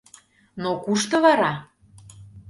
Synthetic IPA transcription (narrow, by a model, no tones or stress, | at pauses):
nokuʃt̪ɤ̆βɑɾɑ